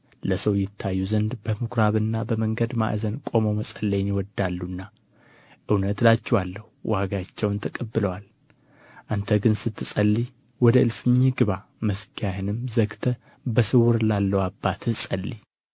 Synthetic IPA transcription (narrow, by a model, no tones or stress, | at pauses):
ləsəwjɪt̪ʰːajːuzənd̪bəmɨkʰɾaβɨnːabəməŋɡəd̪ma̰ʔzənkʼo̞moməsʼəlːəjnjɪwɔd̪ːalːunːa | ʔɨwnət̪lat͡ʃːɛwalːəhuwʔaɡat͡ʃːɛwnt̪ʰəkʼəbːɨləwal | ʔant̪ʰəɡɨnsɨt̪ʰːɨsʼəlːi | wɔd̪əɨlfɨɲːiɡɨβaməsɡjahɨnɨmzəɡt̪ʰə | bəsɨwʊɾlalːəwabːat̪ʰɨsʼəlːi